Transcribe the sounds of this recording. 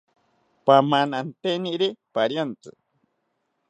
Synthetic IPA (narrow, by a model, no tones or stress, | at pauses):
pamanant̪eniʔɾipaɾjant͡sɨ̰